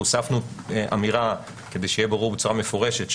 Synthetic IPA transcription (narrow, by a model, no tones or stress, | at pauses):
usafnuʔa̰miʁa | ke̞d̪e̞jʃejɛbaʁuʁbet͡suʁame̞fo̞ʁe̞ʃe̞t̪